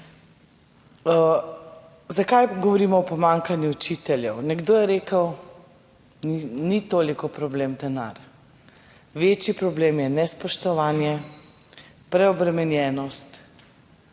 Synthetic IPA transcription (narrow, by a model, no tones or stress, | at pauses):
zakajɡɔʋɔɾiːmɔɔpɔmaŋkanjuut͡ʃit̪ɛljɛwnɛɡd̪oːjɛɾeːkəw | ninit̪oːlikɔpɾɔbleːmd̪ɛna̰ɾ | ʋeːt͡ʃjipɾɔbleːmjɛnɛspɔʃt̪ɔʋaːnjɛ | pɾɛɔbɾɛmɛnjɛːnɔst̪